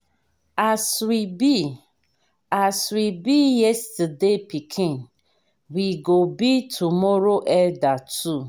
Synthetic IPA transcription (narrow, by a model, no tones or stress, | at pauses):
aswibi | aswibijɛstadepikʰĩŋ | wiɡobitʰumɔɾoʔɛdatu